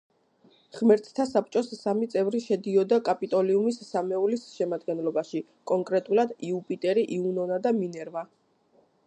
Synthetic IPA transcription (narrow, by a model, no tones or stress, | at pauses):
χmɛɾt̪ʰt̪ʰasap̚ʰʼt͡ʃʼɔsːamit̪sʼɛvɾiʃɛd̪iɔd̪akʼapʼit̪ʼɔliumisːamɛulisʃɛmad̪ɡɛnlɔbaʃi | kʼɔŋkʼɾɛt̪ʼulˠad̪iupʼit̪ʼɛɾiʔiunɔnad̪aminɛɾva